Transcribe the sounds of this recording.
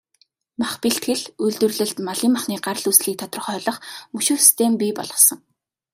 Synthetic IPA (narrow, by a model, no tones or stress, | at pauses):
maχpiɬt̪xɘ̆ɮɵɮt̪wɵ̆rɮɘ̆ɬt̪maɮiːmːaχniːɢar̆ɮusɮiːk̚t̪ʰɔt̪̆rə̆χœːɮɞ̆χmɵʃuːsi̥st̪ʰeːmpʲiːpɔ̰ɮʁɞ̆sɞ̆ŋ